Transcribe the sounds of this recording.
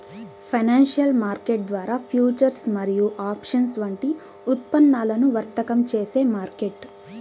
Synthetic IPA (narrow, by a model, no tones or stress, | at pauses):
pʰɐjnaːnʂjɐlmaːɾkeʈ̚d̪ʋaːɾaːpʰjuːt͡ʃɐɾsmɐɾijuʔaːpʂɐnsʋɐɳʈi | ut̪pɐnːaːlɐnuʋɐɾt̪ɐkɐmt͡ʃeːse̞ːmaːɾkeʈ